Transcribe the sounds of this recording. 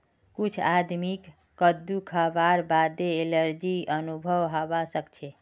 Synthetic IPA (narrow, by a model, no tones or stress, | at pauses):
kut͡ʃʰad̪mikː | əd̪ukʰabaɾbad̪eːləɾd͡ʒiənubʱəwɦəbasəkt͡ʃʰɛ